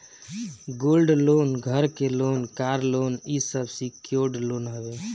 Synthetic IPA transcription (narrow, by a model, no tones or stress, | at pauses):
ɡoːlɖloːnɡʱəɾkeloːnkaɾlonisəbsikjoɾɖloːnɦəbe